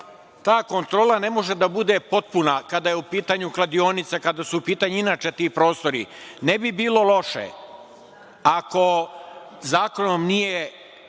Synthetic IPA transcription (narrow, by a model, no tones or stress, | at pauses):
t̪aːko̞nt̪ɾo̞ːlane̞mo̞ʒe̞d̪abud̪e̞po̞t̪̚punakad̪ajeupiːt̪aːɲuklad̪io̞ːnit̪sekad̪asuupiːt̪aɲuinaːt͡ʃe̞t̪iːpɾo̞ːst̪o̞ɾḭnebibiːlo̞lˠo̞ʃḛ | ako̞ | zaːko̞nomnije